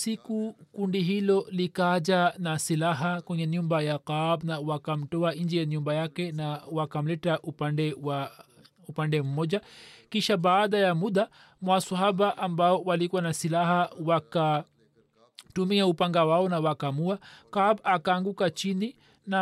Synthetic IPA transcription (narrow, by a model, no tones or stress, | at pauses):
sikukundiɦilɔlikaʄanasilaɦakwɛɲɛɲumbajaqabnawakam̩tɔaɲd͡ʒɛjaɲumbajakɛnawakam̩lɛtaʔupandɛwa | upandɛm̩mɔʄakiʃaɓaːɗajamuɗa | mwasaɦaɓaʔambaɔwalikuwanasilaɦawaka | tumiaupaŋɡawaɔnawakamuakabakaːŋɡukat͡ʃini | na